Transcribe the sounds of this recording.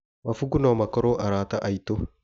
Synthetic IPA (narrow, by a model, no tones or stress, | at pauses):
mɐfuɡʊnoːmɐkːɔɾoːʔɐɾaːt̪ɐʔɐjt̪o